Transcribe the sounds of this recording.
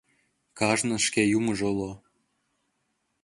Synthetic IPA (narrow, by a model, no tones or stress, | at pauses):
kɑʒnɤ̆ʃkejumɤʒolˠo